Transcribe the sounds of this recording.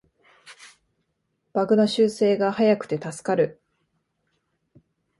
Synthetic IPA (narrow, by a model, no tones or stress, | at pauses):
b̥aɡɯ̟noɕɨːse̞ːɡahajakɯ̟̥t̪e̞t̪asɨ̥kaɾɯ̟